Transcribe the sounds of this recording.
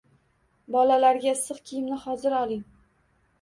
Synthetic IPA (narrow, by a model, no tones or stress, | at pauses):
bɒlalaɾɡʲasɨqkʲʰijɪmnɪhɒzɪɾɒlˠɪŋ